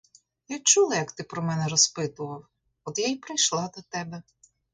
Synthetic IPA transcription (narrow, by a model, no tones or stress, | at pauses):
jat͡ʃulˠɐjɐkt̪ɪpɾɔmɛnɛɾɔspɪt̪ʊʋɐw | ɔd̪jajpɾɪjʃlˠɑd̪ɐt̪ɛbɛ